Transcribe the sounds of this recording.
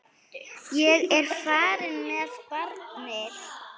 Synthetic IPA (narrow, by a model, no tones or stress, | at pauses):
jɛɣɛɾ̥faːɾɪnmɛspaɾmɛð